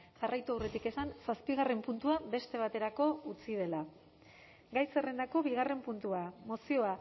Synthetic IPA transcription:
ʝarʔajt̪uawret̪ike̞sansaspiɣare̞mpunt̪uabe̞st̪e̞β̞at̪e̞ɾako̞ut͡sið̞e̞la | ɡajsere̞nd̪ako̞βiɣ̞are̞mpunt̪uamo̞sio̞a

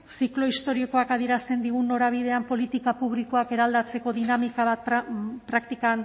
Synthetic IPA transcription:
siklo̞ist̪o̞ɾioko̞akað̞ije̞ɾast̪e̞nd̪iɣunːo̞ɾaβ̞ið̞e̞ampo̞lit̪ikapuβliko̞ake̞ɾald̪at͡se̞ko̞ðinamikaβat̪pɾak̚t̪ikan

